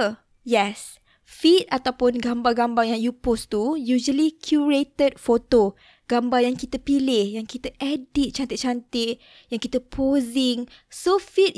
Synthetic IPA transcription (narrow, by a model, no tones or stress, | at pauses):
jɛs | fit̪̚at̪awpʊnɡambaɡambajaŋjupost̪ujud͡ʒəlikʰjuɹet̪əd̚fot̪o | ɡ̥ambajaŋkit̪əpilɪhjaŋkit̪əʔɛdit̪̚t͡ʃant̪ɪt̚t͡ʃant̪ɪʔ̚ | jaŋkit̪əpʰozɪŋsofit̪̚